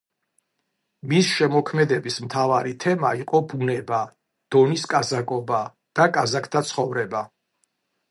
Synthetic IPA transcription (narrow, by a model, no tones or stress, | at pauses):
misʃɛmɔkʰmɛd̪ɛbismt̪ʰavaɾit̪ʰɛmaiqʼɔbunɛba | d̪̥ɔniskʼazakʼɔba | d̪̥akʼazakʰt̪ʰat̪sʰχɔvɾɛba